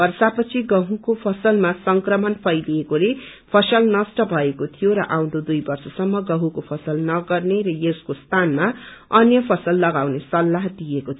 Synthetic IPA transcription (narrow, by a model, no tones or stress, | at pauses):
ʌrsapʌt͡sʰiɡʌɦũkopʰʌsʌlmasʌŋkrʌmʌnpʰʌjliekole | pʰʌsʌlnʌsʈʌbʱʌekot̪ʰijoɾʌ̰ʔaw̃d̪od̪ujbʌrsʌsʌmːʌɡʌɦũkopʰʌsʌlnʌɡʌrneɾʌjeskost̪ʰanmaʌnjʌpʰʌsʌlːʌɡawnesʌlːaɦd̪iekot̪ʰ